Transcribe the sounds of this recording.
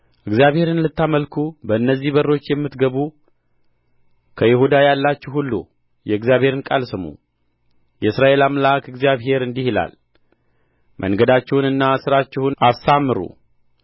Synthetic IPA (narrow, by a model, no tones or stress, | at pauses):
ʔɨɡzijaβhe̞ɾɨnlɨt̪ːaməlkʰubəɨnːəzːihβərːo̞t͡ʃːjɛmːɨt̪ɡəβu | kʰəjɪhud̪ajalːat͡ʃːɛhulːṵ | jɛɨɡzjaβhe̞ɾɨnkʼalsɨmṵ | jɛɨsɾaʔe̞lamlakɨɡzijaβɦe̞ɾɨnd̪ihila̰l | mʔə̰ŋɡəd̪at͡ʃːɛhunɨnːasɨɾat͡ʃːɛhʊnasːamːɨɾṵ